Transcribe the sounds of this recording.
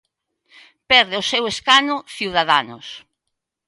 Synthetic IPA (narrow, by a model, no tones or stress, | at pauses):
pɛɾðɪʊseweskanʊθiwð̞aðanʊ̰s